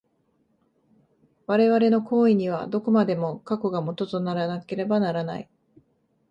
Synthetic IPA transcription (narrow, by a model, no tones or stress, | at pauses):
βaɾe̞βaɾe̞no̞kʰo̞ːiɲ̟iβ̞a̰d̪o̞ko̞mad̪e̞mokako̞ɡamo̞t̪o̞t̪onaɾanake̞ɾe̞banaɾana̰i